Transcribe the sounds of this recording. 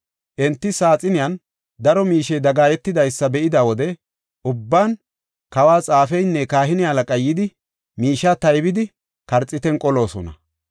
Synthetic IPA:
ʔɛnt̪ːɪsaːt͡sʼɪnɪjɐn | d̪ɐɾɔmiːʃɛjd̪ɐɡaːjɛt̪ːɪd̪ɐjsːɐbɛʔɪd̪awɔd̪ɛ | ʔʊbːaːn | kɐwaːt͡sʼaːfɛjnːɛkaːɦɪnɪɐlɐkʼɐjːɪd̪ɪ | miːʃaːt̪ɐjbɪd̪ɪ | kɐɾt͡sʼːɪt̪ɛnkʼɔlo̞ːsɔ̰nɐ̰

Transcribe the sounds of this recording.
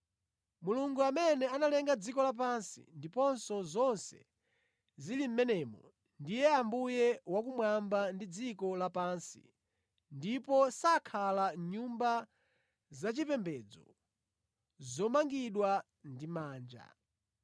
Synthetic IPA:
muluŋɡuamɛnɛanalɛŋɡad͡zikɔlap̬ansḭndipɔnsɔzɔnsɛ̰ | zilim̩mɛnɛmɔ | ndijɛambujɛwak̬umwambandid͡zikɔlapansḭ | ndipɔsakʰalaɲumba | zat͡ʃipɛmbɛd͡zɔ̰ | zɔmaŋɡiɗwa | ndimaːnd͡ʒa̰

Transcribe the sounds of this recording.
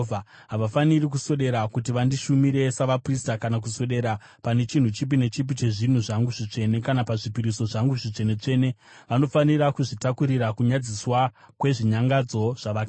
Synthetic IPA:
a | ɦaʋafanirik̬usoɗe̞ɾakutiʋandiʃumiɾe̞saʋapristakanak̬usoɗe̞ːɾa | pane̞t͡ʃin̤ut͡ʃip̬ine̞t͡ʃip̬it͡ʃe̞ʐin̤uʐaŋɡuʐit͡ʂe̞ne̞kanapaʐipiɾiso̞ʐaŋɡuʐit͡ʂe̞ne̞t͡ʂe̞ːne̞ | ʋano̞fanirakuʐitakuɾiɾakuɲad͡ziswa | kwe̞ʐiɲaŋɡad͡zo̞ʐ̥aʋa

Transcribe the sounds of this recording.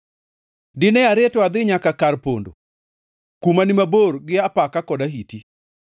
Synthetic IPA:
dɪnɛaɾetɔad̪ɪɲakakarpo̰ndo̰ | kumanɪmaborɡɪapakakɔdaɦiti

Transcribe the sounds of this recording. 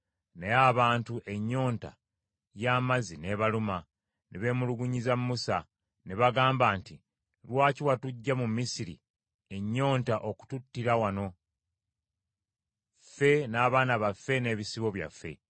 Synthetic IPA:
ne̞jaβaːntuʔe̞ɲːo̞ːnta̰ | jaːmazine̞βaluma | nʔeβe̞ːmuluɡuɲizamːusa | neβaɡaːmbaːnti | lwaːciwatuɟːamumːisiɾḭ | e̞ɲːo̞ːntaʔo̞ku̥tutːiɾawano̞ | fːe̞naːβaːnaβafːe̞ne̞ːβisiβo̞βja̰fːe̞̰

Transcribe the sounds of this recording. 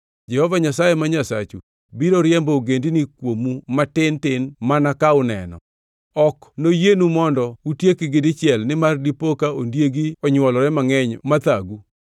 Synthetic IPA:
d͡ʒɛhɔvaɲasajemaɲasat͡ʃu | biɾoɾjɛmbɔoɡendinɪkwomumatɪntɪnmanakaʊnɛ̰nɔ̰ | ɔknojenumɔndɔutjekɪɡɪdɪt͡ʃɪɛlnɪmardipokaondjeɡiɔɲwɔlɔɾɛmaŋɛɲmat̪aɡu

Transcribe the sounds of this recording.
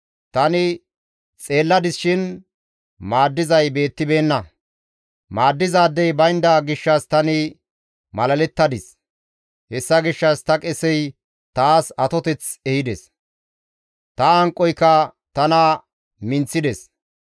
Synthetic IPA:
t̪ɐnɪ | t͡sʼe̞ːlːɐd̪ɪsʃɪn | maːd̪ːɪzɐjbe̞ːt̪ːɪbe̞ːnːɐ | maːd̪ːɪzaːd̪ːɛjbɐjnd̪aɡɪʃːɐst̪ɐnɪ | mɐlɐlɛt̪ːɐd̪ɪs | hɛsːɐɡɪʃːɐst̪ɐkʼɛsɛj | t̪aːsɐt̪ɔt̪ɛt͡sɛhɪd̪ɛs | t̪ɐɐŋkʼːɔjkːɐ | t̪ɐnɐ | mɪnt͡sːɪd̪ɛs

